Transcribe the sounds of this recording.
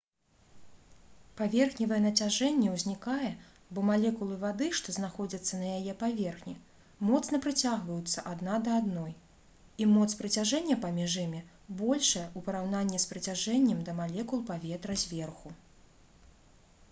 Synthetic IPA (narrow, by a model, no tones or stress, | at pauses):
pavʲɛrxnʲivɐjɛnɐt͡sʲaʐɛnʲːɛwzʲnʲikajɛ | bɔmalʲɛkulˠɨvad̪ɨʂt̪ɔznaxɔd͡zʲɐt̪sːɐnɐjajɛpavʲɛrxnʲi | mɔt̪snɐpɾɨt͡sʲaɣvɐjut̪sːɐʔad̪nad̪ɐad̪nɔj | imɔt̪spɾɨt͡sʲaʐɛnʲːɛpamʲiʐimʲɛ | bɔlʲʂɐjɛʔupɐɾawnanʲːɛspɾɨt͡sʲaʐɛnʲːɛmd̪ɐmalʲɛkulˠpavʲɛt̪ɾɐzʲvʲɛrxu